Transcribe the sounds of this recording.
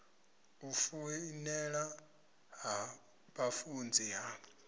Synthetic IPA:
ufunɛɺa | ɦa | ɓafund͡zʱiɦa

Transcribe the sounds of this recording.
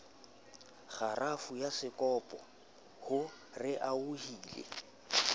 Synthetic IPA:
χarafujasɪkʼɔːpʼɔ | hʊ | rɪʔauhiːlḛ

